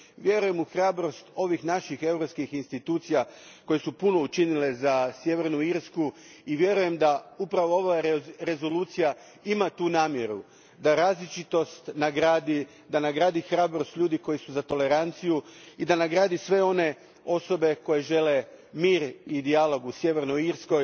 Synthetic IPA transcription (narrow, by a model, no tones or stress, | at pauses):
ʋje̞ɾuje̞muxɾaːbɾo̞st̪o̞ʋixnaʃixe̞wɾopskixinst̪it̪uːt̪sijako̞jesupuno̞ut͡ʃinile̞zasje̞ʋe̞ɾnuiɾsku | iʋje̞ɾuje̞md̪aupɾaʋo̞oʋaɾe̞zo̞luːt̪sija | imat̪uːnaːmje̞ɾu | d̪aɾaːzlit͡ʃit̪o̞st̪naɡɾaːd̪i | d̪anaɡɾaːd̪ixɾaːbɾo̞st̪ʎʲuːd̪iko̞jisuzat̪o̞le̞ɾant̪sijuid̪anaɡɾaːd̪isʋe̞o̞ne̞ | o̞so̞be̞ko̞je̞ʒe̞le̞miːɾid̪ialo̞ɡusje̞ʋe̞ɾnoiɾsko̞j